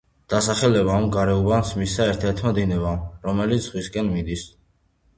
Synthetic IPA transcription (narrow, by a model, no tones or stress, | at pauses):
d̪̥asaχɛlɛβaːmɡaɾɛubansmisaɛɾt̪ʰɛɾt̪ʰmad̪inɛbamɾɔmɛlit̪sz̥ʁwiskʼɛnmid̪is